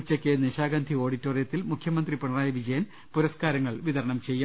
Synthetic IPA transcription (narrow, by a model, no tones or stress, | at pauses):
t͡ɕːɐkʲːeniʂaːɡaːnd̪ʱio̞ːɽitːorijɐt̪ːilmukʰjɐmɐnd̪ripɐɳɐraːjɐʋid͡ʑɐjɐn | puɾɐskaːɾɐŋːɐɭʋiðɐɾɐɳɐmt͡ɕe̞jːu